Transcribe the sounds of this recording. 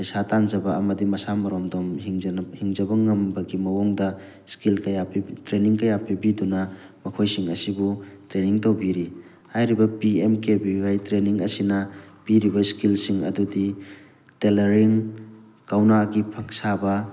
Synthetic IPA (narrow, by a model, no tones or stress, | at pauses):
ɐjsatanzɐbɐɐmɐdimɐsamɐɾomdɔmiŋhiŋzɐbɐŋɐmbɐɡimɐwoŋdɐ | skilkɐjapitɾeniŋkɐjapibidunɐmɐkʰojsiŋɐsibutɾeniŋtɐwbiɾi | hajɾibɐpiemkebiwajtɾeniŋɐsinɐpiɾibɐskilsiŋɐ̰dudi | teleɾiŋ | kawnaɡipʰɐk̚sabɐ